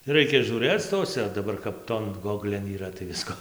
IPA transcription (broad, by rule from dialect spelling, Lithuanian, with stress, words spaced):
ˈrɐɪkʲɛ ʒʲuːˈrɘt͡s ˈtoːsʲɛ dɐˈbɐr kɐp ˈtoːn ˈɡoːɡlʲeːn iːˈrɐ tɐɪ ˈʋʲɪskoː